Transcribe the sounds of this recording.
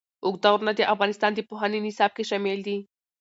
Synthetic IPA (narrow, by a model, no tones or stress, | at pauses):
ukt̪auɾnad̪iʔafɣanist̪and̪ipoɦaninisap̚kiʃemeld̪i